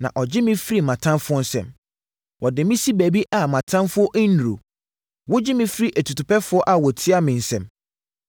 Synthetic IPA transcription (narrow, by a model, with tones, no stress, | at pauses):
nã̰˨ʔɔ˨d͡ʑɪ˦mɪ̃˦fɾi˦mã˨tʰã˦mfʊ˦ɔ˦n̩˦sɛ̰̃˨m | wʔɔ˨dɪ˨mĩ˦si˦bæ˨bi˦ʔa˨mã˨tʰã˦mfʊ˦ɔ˦ʔi˦nu˨ɾo̰˨ | wʊ˦d͡ʑɪ˦mɪ̃˦fɾi˦ʔæ˨tʰu˨tʊ˨pɛ˦fʊ˦ɔ˦ʔa˨wɔ˨tʰɪ˦a˦mɪ̃˨n̩˨sɛ̰̃˨m